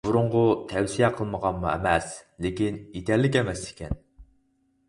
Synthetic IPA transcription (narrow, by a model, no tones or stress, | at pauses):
buɾʊɴʁʊt̪ʰɛwsijɛqʰəlˠməʁɑnmuɛ̰mɛslɪkʲinet̪ʲɛɾlɪkʲɛmɛsi̥kʲɛ̰n